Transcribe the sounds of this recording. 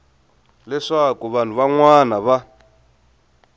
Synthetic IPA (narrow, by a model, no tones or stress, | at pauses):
lɛʂakuβan̤ʰuβaŋwanaβa